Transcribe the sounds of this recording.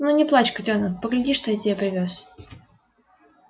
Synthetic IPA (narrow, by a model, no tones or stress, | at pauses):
nunʲɪplˠat͡ɕkətʲonəpəɡlʲɪdʲiʂt̪ojatʲeapɾʲɪvʲos